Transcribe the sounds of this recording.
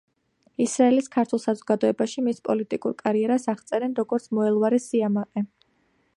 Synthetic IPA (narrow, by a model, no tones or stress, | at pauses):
isɾaɛliskʰaɾt̪ʰwɛlˠsazɔɡad̪ɔɛbaʃimispʼɔlit̪ʼikʼuɾkʼaɾiɛɾasaʁt̪sʼɛɾɛnɾɔɡɔɾt̪sʰmɔɛlˠvaɾɛsiamaqʼɛ